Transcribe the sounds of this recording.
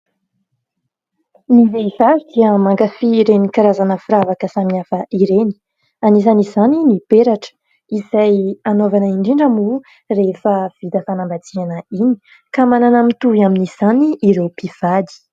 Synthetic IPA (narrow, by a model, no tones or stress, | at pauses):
nizeizad̪iəmaŋɡafiːɾenikaɾazanəfuɾavakəsamiafəʔiɾeni̥ | anizanizaninipeɾaʈ͡ʂə̥ | isajanovanəiɳɖ͡ʐiɳɖ͡ʐamu | refəv̥id̪əfanambat͡sianəini̥ | kamananamit̪uiaminiz̥aniːɾewpiv̥ad̪i̥